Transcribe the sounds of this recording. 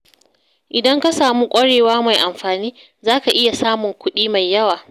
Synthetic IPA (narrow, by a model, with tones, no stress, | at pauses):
ʔɪ˨dɐ˦ŋka˦saː˨muː˦kʷʼɐ˦ɽeː˨waː˦ma˨jʔa˨mɸaː˨niː˦ | zaː˦ka˨ʔɪ˦ja˨saː˦mʊ˨ŋkʷʊ˦ɗiː˦ma˨jːɐ˦waː˨